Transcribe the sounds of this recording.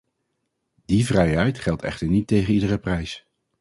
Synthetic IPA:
d̥ivrɛjɦɛjtχɛlˠtɛ̰χtəɹnitejχənidərəprɛjs

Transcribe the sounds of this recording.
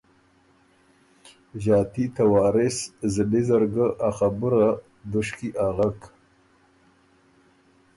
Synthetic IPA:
ʒɑːt̪it̪awɑːɾɪszəlizəɾɡəʔaxabuɾa | d̪ʊʃkiʔaɣak

